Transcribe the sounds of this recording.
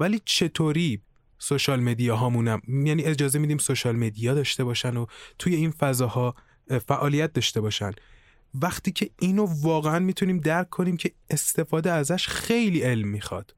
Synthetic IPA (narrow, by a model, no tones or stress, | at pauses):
væliːt͡ʃʰe̞t̪ʰoːɾiː | soʃɒːlme̞d̪ijɒɦɒːmunæmjæniːe̞d͡ʒɒːzemid̪iːmsoʃɒlme̞d̪ijɒːd̪ɒːʃt̪e̞bɒːʃænot̪ʰuje̞iːnfæzɒːhɒː | fæʔɒːlijæt̪̚d̪ɒːʃt̪e̞bɒːʃæn | væχt̪ʰiːcʰe̞iːnovɒːɣeænmiːt̪ʰuniːmd̪æɾkʰːoniːmcʰe̞ | est̪e̞fɒːd̪eæzæʃxe̞jliːe̞lmːixɒ̰d̪̥